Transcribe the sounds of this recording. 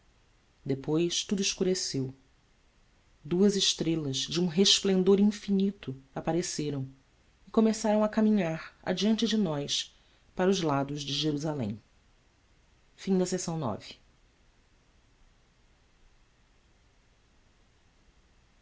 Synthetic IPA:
d̪epojʃt̪ud̪ʊɪʃkuɾesew | d̪uɐzɪʃt̪ɾelɐzd͡ʒɪũɦeʃplẽnd̪oɾĩfinit̪ʊapaɾeseɾɐ̃w̃ | ɪkomesaɾɐ̃w̃ɐkamĩɲaɾa̰d͡ʒiɐ̃nt͡ʃɪd͡ʒɪnɔjs | paɾʊzlad̪ʊzd͡ʒɪʒeɾuzalḛ̃j̃ | fĩd̪ɐsesɐ̃w̃nɔ̰vɪ

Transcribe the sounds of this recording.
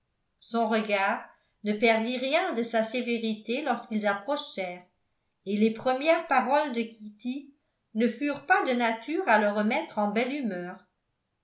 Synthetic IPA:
sɔ̃ʁəɡaːʁ | nəpɛʁd̪iʁjɛ̃d̪əsaseveʁit̪elɔʁskilzapχɔʃɛːʁ | elepχəmjɛʁpaʁɔld̪əkʲʰit̪i | nəfyʁpad̪ənat̪yːʁaləʁəmɛt̪χɑ̃bɛlymœːʁ

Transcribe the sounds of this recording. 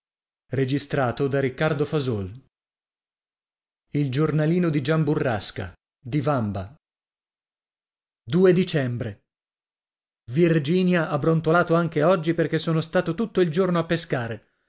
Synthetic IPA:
red͡ʒist̪ɾaːt̪od̪aɾikːard̪ofazol | ild͡ʒornaliːnod̪id͡ʒamburːaska̰ | d̪ivamba | d̪uːed̪it͡ʃɛmbɾe | vird͡ʒiːnjaʔabːɾont̪olaːt̪oaŋk̟eɔd͡ʒːiperk̟esːoːnost̪aːt̪ot̪ut̪ːoild͡ʒornoapːeskaːɾe

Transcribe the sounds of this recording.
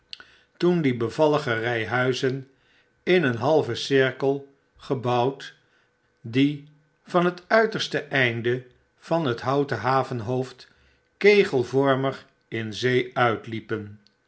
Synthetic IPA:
tundibəvɑləχərɛjɦœɥzən | ɪnənɦɑlˠvəsɪɹkəlˠ | χəbɑwt | di | vɑnɦətœɥtəɹstəʔɛjndə | v̥ɑnɦətɦɑwtəɦaːvənɦowft | kejχəlˠvɔɹmər | ɪnzejœɥtlipən

